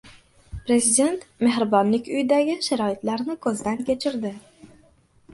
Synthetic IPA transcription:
pɾe̞zid̪ʲe̞nt̪me̞hɾɪbɒnlɪkʲʊjɪd̪aɡʲɪʃaɾɒɪt̪laɾnɪkʰɵzd̪ankʲʰe̞t͡ʃʰɪɾd̪ɪ

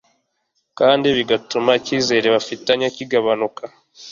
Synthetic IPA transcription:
kaːndiβiɡatumaciːze̞ɾeβafitaɲaciɡaβanukʰa

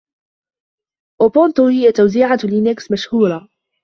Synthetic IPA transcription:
ʔʊpʊnt̪ʊhɪjat̪ːawziːʕalɪnaksmaʃhuːɾˤɑ

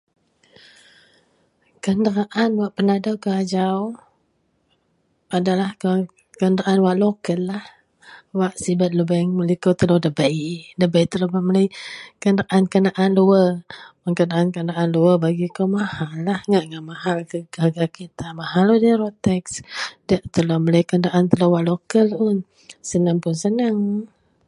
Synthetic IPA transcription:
kəndəɾaʔanwaʔpənadawkəad͡ʒaw | adalahka | kəndəɾaʔanwaʔlokəlːah | waʔsibat̪̚ləbəŋməlikot̪əlodəbəjdəbəjt̪əlobamələjkəndaʔankənaʔanluəpəŋkənaʔankəndaʔanluəbaɡikomahalːahŋaʔŋaʔmahalkəɡaɡakit̪amaɦalohdiɾot̪ɛksdəʔt̪əlomələjkəndaʔant̪əlowaʔlokəlʊn | sənaŋpʊnsənaŋ

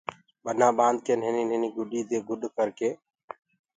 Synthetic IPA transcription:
ɓənãːɓãːnd̪̚keːnɦɪniːnɦɪniːɡʊɗiːd̪eːɡʊɗkəɾkeː

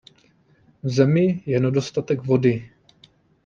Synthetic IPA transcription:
vzɛmɪjɛnɛdo̞st̪at̪ɛɡvo̞dɪ

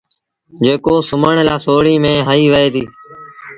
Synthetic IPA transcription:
d͡ʒeːkoːsʊməɳlaːsoːɽiːmẽːɦaiːʋəeːd̪iː

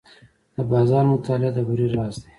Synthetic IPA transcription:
d̪̥əbɑzɑɾmʊt̪ɑlɪad̪əbuɾiɾɑːsd̪e

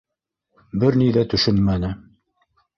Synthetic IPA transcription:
bɘɾniðæt̪ɵ̆ʃɵnmænɘ

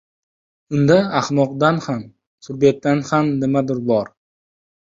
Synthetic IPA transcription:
ʊnd̪aaχnɒqd̪anham | t̪ʰʊɾbet̪̚ːanhamnɪmad̪ɪɾbɒɾ

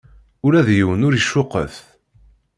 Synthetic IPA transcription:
ʊɾæðjəwənʊɾiʃːʊqːə̰θ

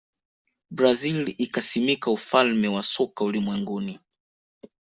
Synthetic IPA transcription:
bɾazilikasimikaufalmɛwasɔkaulimwɛŋɡuni

